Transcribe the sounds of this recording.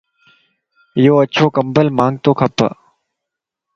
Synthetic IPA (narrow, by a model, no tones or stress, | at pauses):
joːət͡ʃʰoːkəmbəlmãːŋɡ̚t̪oːkʰəpːə̰